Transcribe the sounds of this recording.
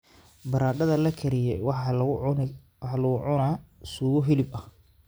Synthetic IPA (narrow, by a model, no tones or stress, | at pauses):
bɐɾaːɖɐðɐlɐkʰɐɾɪjɛjwħ | wħɑlɐɣʊʕʊnasuːɣɔɦɪlɪbɐh